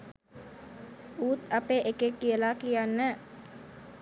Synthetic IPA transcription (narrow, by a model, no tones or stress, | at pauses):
uːt̪apeʔekekːijəlakijanːə